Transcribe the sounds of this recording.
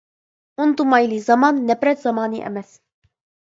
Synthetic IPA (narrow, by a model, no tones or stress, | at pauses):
ʔʊnt̪ˤumɑjlizˤɑmɑːnːabɾat̪zɑmaːniʔa̰mæs